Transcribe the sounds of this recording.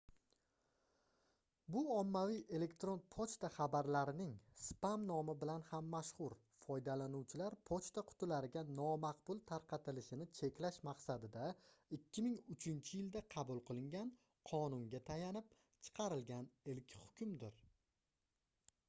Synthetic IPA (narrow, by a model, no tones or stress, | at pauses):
bʊɒmːavijʔe̞le̞kt̪ɾo̞npʰot͡ʃt̪aχɑbaɾlaɾɪnɪŋspamnɒmɪbɪlanhamːaʃχʊɾ | fɒjd̪alanʊwt͡ʃʰɪlaɾpʰot͡ʃt̪aqʰʊ̥t̪ɪlaɾɪɡʲanɒmaqbʊlˠt̪ʰaɾqʰɑt̪ʰɪlɪʃɪnɪt͡ʃʰe̞kʲlaʃmɑqsad̪ɪd̪aɪkʲʰːɪmɪŋʊt͡ʃʰɪnt͡ʃʰɪjɪld̪aqʰɑbʊlˠqʰɨlˠɪŋɡʲan | qʰɒnʊŋɡʲat̪ʰajanɪp̚ | t͡ʃʰɨ̥qʰɑɾɪlɡʲanɪlkʲhʊ̥kʲʰʊmd̪ɪɾ